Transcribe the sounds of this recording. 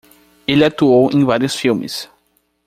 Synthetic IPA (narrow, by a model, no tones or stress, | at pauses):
elɪat̪uowʔẽvaɾjʊsfilmɪ̰s